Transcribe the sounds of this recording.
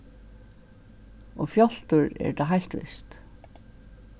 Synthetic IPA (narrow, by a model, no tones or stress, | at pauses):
ɔfjɔl̥t̪ʏɹɛ̰ɹt̪aɦajl̥t̪ʋɪ̰st̪